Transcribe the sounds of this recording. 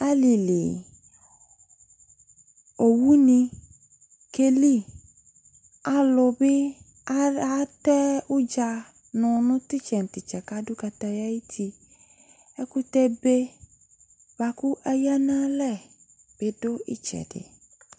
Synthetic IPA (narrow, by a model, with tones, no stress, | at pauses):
a˦li˨li˨ | o˨wu˦nĩ˧ | ke˧li˦˨ | a˦lʊ˧bɪ˦ | a˦tɛ˦ʊ˦d͡ʒa˧ | nʊ̃˧nʊ̃˦ti˦t͡ʃɛ˨n̩˨ti˨t͡ʃɛ˨ka˦dʊ˦ka˧ta˧ja˦i˦tʰi˧ | ɛ˦ku˦tɛ˧be˦ | ba˧˦ku˦ʔa˦ja˦nã˦lɛ˦˨ | b̥e˧dʊ˦ḭ˦t͡ʃɛ̰˨dɪ̰˨